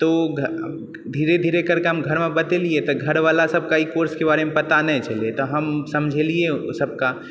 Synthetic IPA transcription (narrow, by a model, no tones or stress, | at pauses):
t̪oːɡʱ | d̪ʱiːɾed̪ʱiːɾekɐɾkeɦɐmɡʱɐɾmẽbɐt̪eliet̪oɡʱɐɾʋaːlasɐb̚kaikoːɾskebaːɾemẽpɐt̪anɐɦĩt͡ʃɐlet̪oɦɐmsɐmd͡ʒʱeliesɐb̚ka